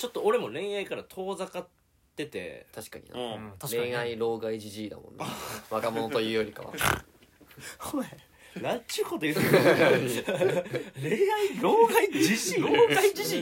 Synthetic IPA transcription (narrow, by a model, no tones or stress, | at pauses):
t͡ɕo̞t̪ːooɾe̞mo̞nẽ̞ɰ̃aikaɾat̪ʰo̞ːzakat̪ː | e̞t̪e̞̰t̪ʰaɕi̥kaɲ̟ḭnã̰ɾẽaiɾo̞ːɡaid͡ʑiʑiːd̪a̰mõ̰nd̪βakamo̞no̞t̪o̞jɯ̟ːjoɾʲikaβa̰ | koe | nãt͡ɕɨːkot̪ojɯ | ɾeaiɾoːɡaiiɕĩɾoːɡaid͡ʑiɕĩ